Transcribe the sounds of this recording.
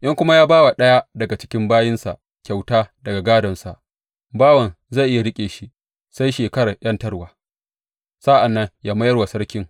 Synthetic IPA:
ʔɪ˦ŋkʷʊ˦ma˦jaː˦baː˦wa˨ɗɐ˦ja˦dɐ˨ɡa˨t͡ʃɪ̥˦kʲɪ˦mbaː˦jɪ˦nsa̰˨ʔ | kʲa˨wtaː˦dɐ˨ɡa˨ɡaː˦dɐ˨nsa˨ʔ | baː˦wɐ˨n | za˦˨ʔɪ˦ja˨ɽɪ˦kʲʼeː˨ʃi˦ | sa˦jʃeː˨kɐ˦ɽa˨ʔj̰ɐ˦ntɐ˦ɽwaː˨ | sa˦ʔa˨nːɐ˦ŋjaː˦mɐ˦jɐ˦rwa˨sɐ˦ɽkʲɪ˦ŋ

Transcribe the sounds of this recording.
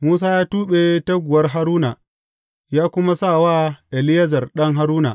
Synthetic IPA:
muː˦s̬aː˦jaː˦tuː˦ɓe˨tɐ˦ɡʷʊ˨wɐ˦rɦa˦ɾuː˦na˨ | jaː˦kʷʊ˦ma˦sa˦˨waː˦ʔɛ˨lɪ˦jɐ˦zɐ˨rɗɐ˦ŋɦa˦ɾuː˦na̰˨

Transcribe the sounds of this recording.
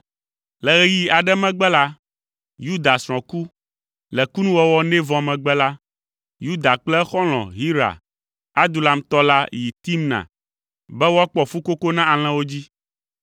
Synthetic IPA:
lɛ˨ɣɛ˦ji˦a˨ɖɛ˦mɛ̃˦ɡ͡bɛ˦la˦ | ju˦d̪a˨sɾ̃ɔ̃˨ku˦ | lɛ˨ku˦nũ˦wɔ˦wɔ˦nɛ̃˦vɔ̃˨mɛ̃˨ɡ͡bɛ˦la˦ | ju˦d̪a˨k͡plɛ˦xɔ˦l̃ɔ̰̃˨ɦi˦ɾa̰˨ | a˦d̪u˨la˨m˦t̪ɔ˦la˦ji˨t̪i˦mnã̰˨ | bɛ˦woɔ˦k͡pɔ˨fu˦ko˦ko˦nã˦a˨l̃ɛ̃˦wo˦d͡ʑi˦

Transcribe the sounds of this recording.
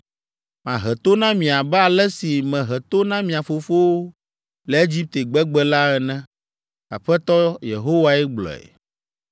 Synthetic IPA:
mã˨ɦɛ˨t̪o˦nã˦mĩ˨a˨bɛ˦a˨lɛ˦si˨mɛ̃˨ɦɛ˨t̪o˦nã˦mĩ˨a˨fo˨fo˦wo˦ | lɛ˨e˦d͡ʑi˦p̚t̪e˨ɡ͡bɛ˦ɡ͡bɛ˦la˦ɛ˨nɛ̃˦ | a̰˨ɸɛ˦t̪ɔ˦jḛ˨ɦo˦wa˦ɛ˦ɡ͡blɔ̰˨ɛ̰˨

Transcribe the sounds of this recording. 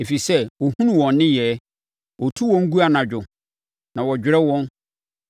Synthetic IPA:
e˨fi˨sɛ˦wɔ˨hũ˦nũ˨wɔ̃˨nːɪ̃˦jɛː˨˦ | wʔɔ˨tʰu˦wɔ̃˦ŋ̩˦ɡu˦a˨nã˨d͡ʑᶣʊ˨ | nã˨wɔ˨d͡ʑᶣɪ˨ɾɛ˦wɔ̃˦n

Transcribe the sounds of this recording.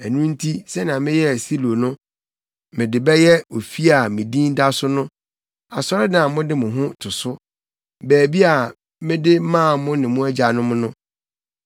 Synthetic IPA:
æ˨nũ˦n̩˦tʰi˦sɛ˦nã˨mɪ̃˦jɛ˦˨si˦lo˨nʊ̃˦ | mɪ̃˨dɪ˨bɛ˦jɛ˦o˨fi˦a˨mɪ̃˨dĩ˦n˦da˦sʊ˦nʊ̃˦ | a˨sɔ˦ɾɪ˦nã˨mʊ̃˦dɪ˦mʊ̃˨ɦʊ̃˦tʰʊ˨sʊ˦ | bæː˨bi˦a˨ | mɪ̃˦dɪ˦mãː˦˨mʊ̃˦nɪ̃˨mʊ̃˦æ˦d͡ʑa˨nʊ̃˦mʊ̃˦nʊ̃˦

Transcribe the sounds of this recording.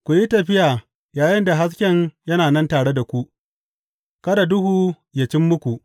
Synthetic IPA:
kʷu˨ji˦tɐ˨ɸɪ˦jaː˨ | jaː˨jɪ˦nda˨ɦa˦s̬kʲɛ˦ɲjɐ˦naː˨nɐ˦ntaː˨ɽe˦da˨kʷu˦ʔ | kɐ˦da˨dʊ˦huː˨ | ja˨t͡ʃɪ˦mːʊ˦kʷu˨ʔ

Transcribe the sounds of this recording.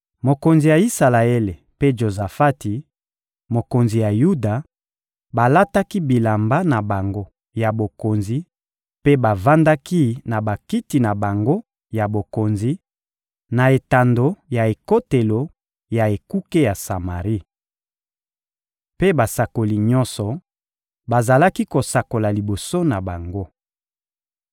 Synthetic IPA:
mo˨ko˨nzi˨ja˨i˦sa˨la˨e˦le˨ | pe˦ʒo˨za˨fa˦ti˨ | mo˨ko˨nzi˨ja˨ju˦da˨ | ba˨la˦ta˦ki˦bi˨la˨mba˦na˨ba˨ŋɡo˦ | ja˨bo˨ko˨nzi˨˦ | pe˦ba˨va˦nda˦ki˦na˨ba˨ki˦ti˨na˨ba˨ŋɡo˦ | ja˨bo˨ko˨nzi˨˦ | na˨e˨ta˨ndo˨˦ja˨e˨ko˦te˨lo˨ | ja˨e˨ku˦ke˦ja˨sa˨ma˨ʁi˦ | pe˦ba˨sa˨ko˨li˨ɲɔ˦nsɔ˨ | ba˨za˨la˦ki˦ko˨sa˨ko˨la˨li˨bo˨so˦na˨ba˨ŋɡo˦

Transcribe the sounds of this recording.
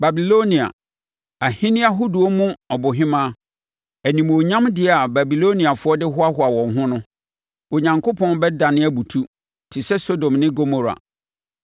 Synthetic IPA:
ba˨bi˨lo˦nĩ˨a̰˨ | a˨hĩ˦nɪ̃˦a˦ɦu˦du˨ɔ˦mũ˦ɔ˨bʊ˨ɦɪ̃˦mãː˦ | æ˨nĩ˨m˨o˨ɲã˦mdɪ˦˨a˨ba˨bi˨lo˦nĩ˨a˨fʊ˦ɔ˦dɪ˦ɦʊ˦a˦ɦʊ˦a˨wɔ̃˨nɦʊ̃˦nʊ̃˦ | o˨ɲã˨ŋkʰo˦pʰɔ̃˦n˦bɛ˦dã˨nɪ̃˦æ˦bu˨tʰu˦ | tʰɪ˨sɛ˦so˦dõ˨mnɪ̃˦ɡo˦mo˨ɾa̰˨

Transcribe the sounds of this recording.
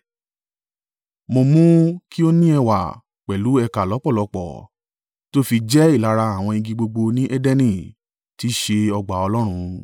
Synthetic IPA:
mo˧mũ˦ki˦o˦nĩ˦ɛ˧wa̰˨ | k͡pɛ˨lu˨˦ɛ˧ka˨lɔ˨˦k͡pɔ˦˨lɔ˨˧k͡pɔ̰˨ | to˦fi˧d͡ʒɛ˦i˦˨la˧ɾa˧a˨w̃ɔ̃˧ĩ˧ɡĩ˧ɡ͡bo˧ɡ͡bo˧nĩ˦ʔɛ˦dɛ˦nĩ˦˨ | ti˨˦ʃe˧ɔ˧ɡ͡ba˨ɔ˧lɔ˦ɾ̃ũ˧

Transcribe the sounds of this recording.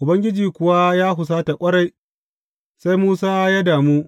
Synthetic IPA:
ʔʊ˨bɐ˦ŋɡʲɪ˦d͡ʒiː˨kʷʊ˨wa˦jaː˦ɦʊ˨s̬aː˦ta˨kʷʼɐ˦ɽa˦j | sa˦jmuː˦saː˦jaː˦daː˨muː˦

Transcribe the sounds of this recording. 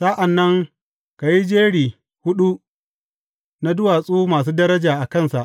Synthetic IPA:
sa˦ʔa˨nːɐ˦ŋ | ka˨ji˦d͡ʒeː˦ɽiː˨ | hʊ˦ɗu˦ | na˦dʊ˦waː˨sʼuː˦maː˨s̬uː˦dɐ˦ɾɐ˦d͡ʒaː˨ʔa˨kɐ˦˨nsa˨ʔ

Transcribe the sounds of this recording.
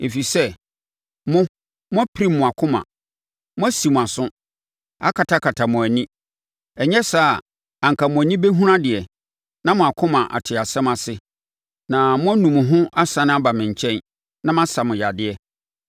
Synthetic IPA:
e˨fi˨sɛ˦ | mʊ̃˦ | mʊ̃˦æ˦pʰi˦ɾi˦mːʊ̃˨a˨kʰʊ̃˦mã̰˨ | mʊ̃˦æ˦si˨mʊ̃˨a˨sʊ̃˦ | a̰˦kʰa˨tʰa˦kʰa˨tʰa˨mʊ̃˨æ˨nĩ˦ | ɛ˨ɲɛ˦saː˦˨ | ã˨ŋ̩˨kʰa˨mʊ̃˨æ˨nĩ˦be˦ɦũ˦ɾã˦dɪ˨ɛ˨ | nã˦mʊ̃˨a˨kʰʊ̃˦mã˨ʔa̰˨tʰɪ˨a˨sɛ̃˦ma˨sɪ˦ | nã˨mʊ̃˦æ˦nũ˨mʊ̃˨ɦʊ̃˦ʔa˦sã˨ñ˦a˦ba˨mɪ̃˨ɲ̩˨t͡ɕʰɛ̃˦n | nã˦m˦ã˦sa˨mʊ̃˨ja˨dɪ˨ɛ˨

